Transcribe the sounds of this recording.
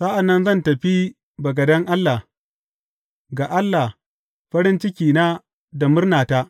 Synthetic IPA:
sa˦ʔa˨nːɐ˦nzɐ˦˨ntɐ˨ɸi˦ | bɐ˨ɡɐ˨dɐ˦ŋʔa˦lːa˨h | ɡaː˨ʔa˦lːa˨h | ɸɐ˦ɾɪ˦nt͡ʃɪ˦kʲiː˨na˦ | da˨mʊ˦rnaː˨ta˦ʔ

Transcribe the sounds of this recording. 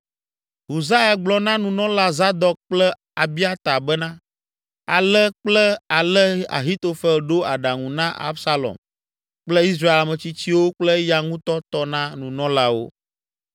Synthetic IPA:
ɦo˨za˦e˨lɡ͡blɔ˦nã˦nũ˨nɔ̃˦la˦za˦d̪ɔ˦k̚k͡plɛ˦ | a˨bi˦a˦t̪a˨bɛ˦nã˦ | a˨lɛ˦k͡plɛ˦a˨lɛ˦a̰˨ɦi˦t̪o˦fɛ˦lɖo˦a˨ɖa˨ŋũ˨nã˦ʔa̰˦bsa˦lɔ̰˨m | k͡plɛ˦i˦s̬ɾa˦e˨la˨mɛ̃˨t͡ɕi˦t͡ɕi˦wo˦k͡plɛ˦ja˨ŋũ˦t̪ɔ˦t̪ɔ˦nã˦nũ˨nɔ̃˦la˨wo̰˦

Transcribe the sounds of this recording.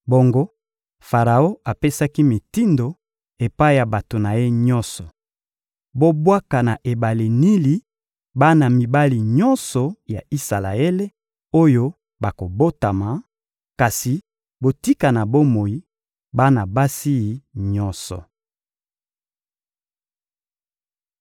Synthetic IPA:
bo˦ŋɡo˦ | fa˨ʁa˨o˦a˨pe˦sa˦ki˦mi˨ti˦ndo˨ | e˨pa˦i˦ja˨ba˨to˨na˨je˦ɲɔ˦nsɔ˨ | bo˦bwa˦ka˨na˨ʔe˨ba˨li˨ni˦li˦ | ba˦na˨mi˨ba˦li˨ɲɔ˦nsɔ˨ja˨i˦sa˨la̰˨e˦le˦ | o˦jo˦ | ba˨ko˨bo˦ta˨ma˨ | ka˨si˨ | bo˨ti˦ka˨na˨bo˦mo˨ji˨˦ | ba˦na˨ba˦si˦i˨˦ɲɔ˦nsɔ̰˨

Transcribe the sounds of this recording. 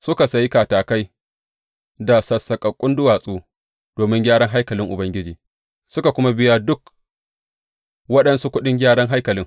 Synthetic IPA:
sʊ˦ka˨sɐ˨ji˦kaː˨taː˨ka˦j | da˨sɐ˨sːɐ˨kʼɐ˨kʷʼʊ˦ndʊ˦waː˨sʼuː˦ | d̥oː˨mɪ˦ŋɡʲaː˦ɽɐ˦ŋɦa˦jkɐ˨lɪ˦ŋʔʊ˨bɐ˦ŋɡʲɪ˦d͡ʒiː˨ | sʊ˦ka˨kʷʊ˦ma˦bɪ˦ja˦dʊ˦k | wɐ˦ɗɐ˦nsu˦kʷʊ˦ɗɪ˦ŋɡʲaː˦ɽɐ˦ŋɦa˦jkɐ˨lɪ˦ŋ

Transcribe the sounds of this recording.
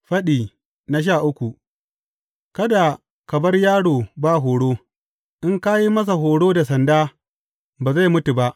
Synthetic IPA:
ɸɐ˦ɗiː˨ | na˨ʃ̬aː˦˨ʔʊ˦kʷu˨ | kɐ˦da˨ | kɐ˨bɐ˦rjaː˦ɽoː˨baː˦ɦoː˨ɽoː˦ | ʔɪ˦ŋka˦ji˦mɐ˦s̬a˨ɦoː˨ɽoː˦da˨sɐ˨ndaː˦ | baː˨za˦˨mʊ˦tu˨ba˦ʔ

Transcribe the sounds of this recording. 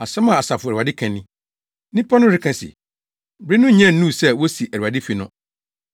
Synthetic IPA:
a˨sa˦mã˨a˨sa˨fʊ˨æ˨ɾa˨dɪ˦kʰɛ̃˨nːĩ˦ | nĩ˦pʰa˦nʊ̃˦ɾɪ˦kʰã˨sɪ̰˨ | bɾɪ˦nʊ̃˦ɲɛ̃˦˨n̩˦nũ˦˨sɛ˦wo˦si˨ʔæ˨ɾa˨dɪ˦fi˨nʊ̰̃˦

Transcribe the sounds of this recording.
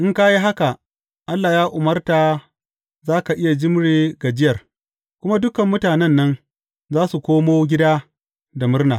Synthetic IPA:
ʔɪ˦ŋka˦ji˦ɦa˦ka˨ | ʔa˦lːaː˨jaː˦ʔʊ˨mɐ˦rta˨ | zaː˦ka˨ʔɪ˦ja˨d͡ʒɪ˦mɽeː˦ɡa˨d͡ʒɪ˦jɐ˨r | kʷʊ˦ma˦dʊ˦kɐ˨mːʊ˦taː˨nɛ˦nːɐ˦n | zaː˦su˨kʷoː˦moː˦ɡʲɪ˦daː˦ | da˨mʊ˦rnaː˨

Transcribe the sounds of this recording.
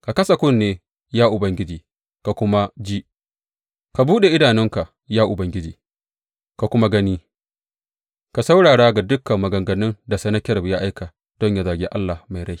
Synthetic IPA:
ka˨kɐ˦sa˨kʷʊ˦˨nːeː˦ | jaː˦ʔʊ˨bɐ˦ŋɡʲɪ˦d͡ʒiː˨ | ka˨kʷʊ˦ma˦d͡ʒi˦ | ka˨buː˦ɗe˨ʔɪ˦naː˨nɪ˦ŋka˨ʔ | jaː˦ʔʊ˨bɐ˦ŋɡʲɪ˦d͡ʒiː˨ | ka˨kʷʊ˦ma˦ɡɐ˦niː˦ | ka˨sa˦wɽaː˨ɽaː˦ɡa˨dʊ˦kːɐ˨mːɐ˨ɡɐ˨ŋɡɐ˨nɪ˦nda˨sɐ˦nɐ˦kʲɐ˦ɾbja˦ʔa˦jka˨ | d̥ɔ˦ɲja˨zaː˨ɡʲeː˦ʔa˦lːa˨hma˨jɽa˦j

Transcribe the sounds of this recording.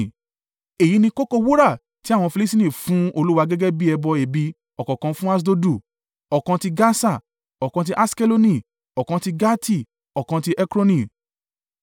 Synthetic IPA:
e˨ji˨˦nĩ˧ko˦ko˦˧wo˦ɾa˦˨ | tĩ˦˨ɔ̃˧fi˧li˦si˦nĩ˦˨fũ˨˦o˧lu˦wa˧ɡɛ˦ɡɛ˦bi˦ɛ˧bɔ˧e˨bi˧ | ɔ˨kɔ̃˨kã˧fũ˦a˦s̬do˦du˦˨ | ɔ˨kã˧ti˧ɡa˦sa˦˨ | ɔ˨kã˧t̬i˧˦ʔa˦ske˧lo˧nĩ˦˨ | ɔ˨kã˧ti˧ɡa˦ti˦˨ | ɔ˨kã˧ti˧ʔɛ˦kɾo˦nĩ˦˨

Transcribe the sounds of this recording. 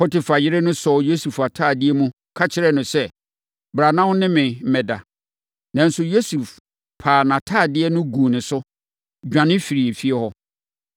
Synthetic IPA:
pʰɔ˦ti˨fa˨jɪ˦ɾɛ˦nʊ̃˦sɔ˨jo˦su˨fa˨tʰaː˦˨dɪ˦ɛ˦mũ˦ | kʰa˦t͡ɕʰɪ˦ɾɛ˦nʊ̃˨sɛ˦˨ | bɾa˨nã˦wnɪ̃˦mɪ̃˨m̩˨˦mɛ˨da˨ | nã˨n̩˨˦sʊ˨jo˦su˨f | pʰaː˨nã˨tʰaː˦˨dɪ˦ɛ˦nʊ̃˦ɡũː˨nɪ̃˨sʊ˦ | d͡ʑᶣã˨nɪ̃˦fi˨ɾi˨e˨fi˦ɛ˦hɔ˦

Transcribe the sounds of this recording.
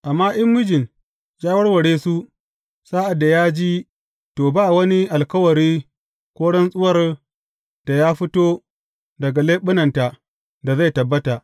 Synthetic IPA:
ʔa˨mːaː˦ʔɪ˦mːʊ˦d͡ʒɪ˨n | d͡ʒaː˦wɐ˦rwɐ˨ɽeː˦su˦ | saː˦ʔa˨dːa˨jaː˦d͡ʒi˦ | toː˨baː˦˨wɐ˦ni˦ʔa˨lkɐ˦wɐ˨ɾiː˦ | kʷoː˦ɽɐ˦nsʼʊ˦wɐ˨r | d̥a˨jaː˦ɸɪ˦toː˦ | dɐ˨ɡa˨leː˦ɓʊ˦nɐ˨nta˨ | da˨za˦˨jtɐ˨bːɐ˦ta˨ʔ

